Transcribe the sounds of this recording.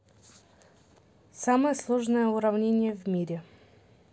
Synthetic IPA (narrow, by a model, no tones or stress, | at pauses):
saməjəslˠoʐnəjəʊɾɐvnʲenʲɪjəvʲmʲiɾʲɪ